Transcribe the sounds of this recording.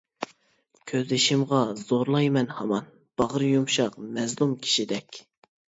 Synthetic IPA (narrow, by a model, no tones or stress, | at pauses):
kʲʰøzlɪʃimʁɑz̥oɾlˠɑjmɛnhɑmɑn | b̥ɑʁəɾjumʃɑqmɛzlˠumkʲʰi̥ʃid̪ɛkʲ